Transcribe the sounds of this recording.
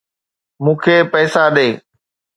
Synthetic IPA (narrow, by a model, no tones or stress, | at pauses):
mũːkʰeːpɛːsaɗeː